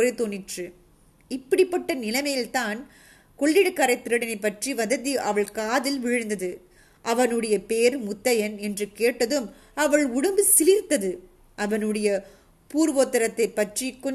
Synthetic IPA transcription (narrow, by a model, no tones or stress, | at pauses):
ɾɐɪt̪oːnɪʈrɯ | ɪpːɐɽɪpːɐʈːɐnɪlɐmɐjɪlt̪aːn | kɔɭːɪɽɯkːaːɾɐɪt̪ːɪɾɯɽɐnɐɪpːɐʈriʋɐðɐðiʔɐʋɐɭkaːðɪlʋɪɻɯnd̪ɐðɯ | ʔɐʋɐnɯɽɐjɐpeːɾmʊt̪ːɐjɐnɛndrɯkeːʈːɐðɯm | ɐʋɐɭʊɽɯmbɯsɪlɪɾt̪ɐðɯ | ʔɐʋɐnɯɽɐjɐ | puːɾʋoːt̪ːɐɾɐt̪ːɐɪpːɐʈrikɔ